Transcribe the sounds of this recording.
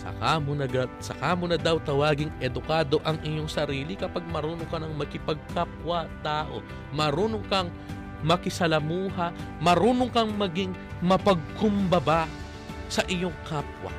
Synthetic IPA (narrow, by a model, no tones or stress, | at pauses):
sɐ̰kamʊnɐɡɐsɐkaːmʊnɐd̪awt̪ɐwaːɡɪŋʔɛd̪ʊkaːd̪o̞ʔɐŋʔɪɲoŋsɐɾiːlɪkɐpaɡ̚mɐɾuːnokɐnɐŋmɐkɪpɐɡ̚kapwɐt̪aːʔo̞̰ | mɐɾuːnoŋkɐŋ | mɐkɪsɐlɐmuːɦɐmɐɾuːnoŋkɐŋmɐɡiŋmɐpɐɡ̚kʊmbɐba | sɐʔɪɲo̞ŋkaːpwɐ̰